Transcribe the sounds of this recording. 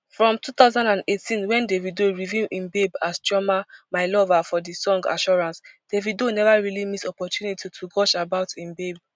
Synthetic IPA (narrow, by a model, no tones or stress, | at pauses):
fɹɔ̃mtut̪aʊzãndãndetʰĩnwɛ̃ndevidoɹivilĩnbebasd͡ʒɔmamaɪlɔvafɔdisɔ̃ŋɡa̰ʃɔɹãnsd̥evidonɛvaɹilimisɔpɔtjunitʰitʰuɡɔʃabaʊtĩnbeb